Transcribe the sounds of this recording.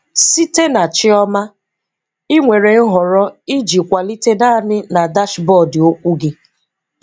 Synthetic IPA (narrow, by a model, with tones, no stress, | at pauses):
si˦te˦na˨t͡ʃɪ˦ɔ˦ma˦ | ɪ˦ŋʷe˨ɾe˨ŋ̩˦ɦɔ˨ɾɔ˦i˦d͡ʒi˨kʷa˨li˦te˦na˦nɪ˦na˨da˦ʃbɔ˦˨dɪ˨o˦kʷu˦ɡɪ˦